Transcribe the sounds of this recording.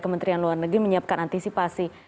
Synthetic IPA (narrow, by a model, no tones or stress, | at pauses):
kəmənt̪ɾianluarnəɡɾiməɲiap̚kanʔant̪isipasi